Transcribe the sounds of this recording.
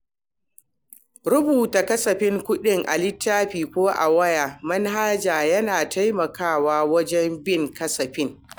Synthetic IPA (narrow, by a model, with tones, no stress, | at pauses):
ɾʊ˦buː˨ta˨kɐ˦sɐ˨ɸɪ˦ŋkʷʊ˦ɗɪ˦ŋʔa̰˨lɪ˦tːaː˦ɸiː˨kʷoː˦ʔa̰˨wɐ˦jaː˨mɐ˦nɦaː˦d͡ʒaː˨jɐ˦naː˨ta˦jmɐ˨kaː˦˨waː˦wɐ˦d͡ʒɛ˦mbɪ˦˨ŋkɐ˦sɐ˨ɸɪ˦ŋ